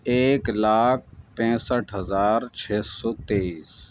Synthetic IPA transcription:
eːklaːk̚ʰpɛ̃ːsəʈʰɦəzaːɾt͡ʃʰeːsɔːt̪eːiːs

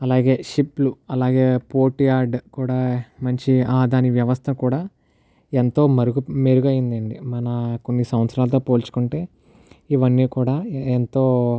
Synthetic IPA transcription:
ɐlaːɡe̞ːʃipluɐlaːɡeːpoːʈijaːɾɖkuːɽaːmɐɲt͡ʃiaːd̪ʱaːniʋjɐʋɐst̪ʰɐkuːɽaː | ent̪o̞ːmɐɾuɡumeːɾuɡɐjind̪ɐɳɖimɐnɐko̞nːisɐʋɐt̪sɐɾaːlɐt̪̬o̞ːpo̞ːlt͡ʃu̥kuɳʈe̞ː | iʋɐnːiːkuːɽaːent̪o̞ː

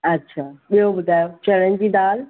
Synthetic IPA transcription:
ɐtːɕʰaːɓijobʊd̪ʱaːjot͡ɕɐɽənɪd͡ʑiːd̪aːl

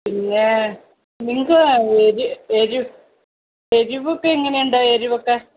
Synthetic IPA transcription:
piŋːe | niŋːɐɡeɾueɾu | eɾiʋokːeeŋːɐnejuɳɖaeɾuʋokːe

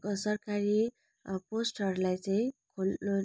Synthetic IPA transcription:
kosʌrkaɾi | posʈʌɾulajt͡saĩkʰol

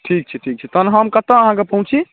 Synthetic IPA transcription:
ʈʰik̚t͡ʃʰɛʈʰik̚t͡ʃʰɛt̪ənɦəmkət̪əːɦãkepəɦũt͡ʃʰi

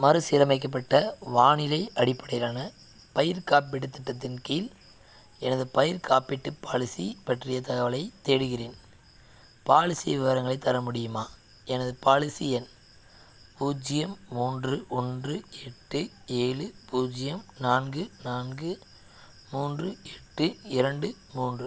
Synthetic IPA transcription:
mɐɾɯsɪɾɐmɐɪk̬ːɐp̬ːɐʈːɐʋaːɳɪlɐɪʔɐɽɪpːɐɽɐjɾaːnɐ | pɐjɪɾkaːpɪɽɯt̪ːɪʈːɐt̪ːɪnkijɪl | ɛnɐðɯpɐjɪɾkʰaːpɪʈːɯpːaːɭɪsipɐʈrɪjɐt̪ɐɣɐʋɐlɐɪt̪ːeːɽɯɣɪreːn | paːɭɪsɪjɐʋɪʋɐɾɐŋɡɐɭɐɪt̪ːɐɾɐmʊɽɪjɯmaː | ɛnɐðɯpaːɭɪsɪjɛn | puːd͡ʒɪjɐmːuːndrɯʔɔndrɯɛʈːɯeːɭɯpuːd͡ʒɪjɐmnaːnɡɯnaːnɡɯ | muːndrɯɛʈːɯɪɾɐɳɖɯmuːndrɯ

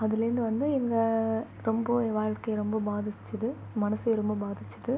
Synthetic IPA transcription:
ɐðɪlɐɾɯnd̪ɯʋɐnd̪ɯɛŋɡɐ | ɾɔmbɐʋaːɻkɐjɾɔmbɐbaːðɪt͡ʃːɐðɯ | mɐnɐsɐjɾɔmbɐbaːðɪt͡ʃːɐðɯ

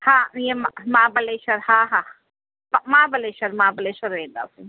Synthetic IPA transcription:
hãjemmãbɐleʃɐɾhãɦã | pmãːbɐleʃɐɾmabɐleʃɐɾẽnd̪a̰si

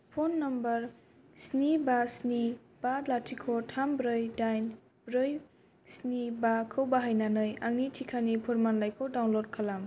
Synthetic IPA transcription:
pʰonːɐmbɐɾ | snibasni | b̥alatʰikʰɔtʰambɾɯjdajn | bɾɯj | snibakʰɯwbaɦajnanɯjaŋnitʰikʰanipʰuɾmanlajkʰɯwdawnlod̚kʰalam

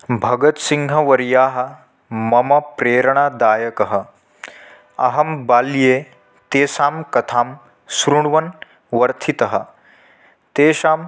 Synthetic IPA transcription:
bʱɐɡɐt̪siŋɡʱɐʋɐɾjaːɦɐ̆ | mɐmɐpɾeːɾɐɳaːd̪aːjɐkɐɦɐ̆ | ɐ̰ɦɐmbaːljeː | t̪eːʃaːmkɐt̪ʰaːm | sɾuɳʋɐn | ʋɐɾt̪ʰit̪ɐɦɐ̆ | t̪eːʃaːm

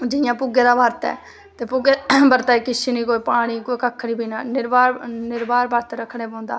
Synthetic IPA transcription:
d͡ʒɪjãːpʊɡeːɾaːbaːɾt̪ɛ̰ː | t̪eːpʊɡebəɾt̪aːiːkɪsiniːkoːiːpaːɽ̃iːkoːiːkəkʰːniːbʱiːnaːnɪɾbaːɾnɪɾbaːɾbəɾt̪ːɾəkʰːɽ̃eːpõːnd̪a̰ː

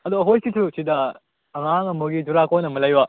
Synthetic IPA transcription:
ɐd̪oɦojkitʰusʰidɐ | ɐŋaŋɐmoɡid͡ʒuɾakojnɐmɐlɐjwa

